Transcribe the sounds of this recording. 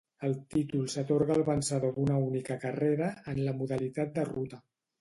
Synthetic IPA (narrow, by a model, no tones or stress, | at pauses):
əlˠt̪it̪ulˠsət̪oɾɣəːlˠβənsəðoðunəunikəkəreɾəːnləmuðəlit̪at̪̚d̪ərut̪ə